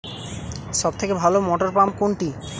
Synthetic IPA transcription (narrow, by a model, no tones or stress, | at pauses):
ʃɔbt̪ʰekebʱalomɔʈoɾpamkoɳʈi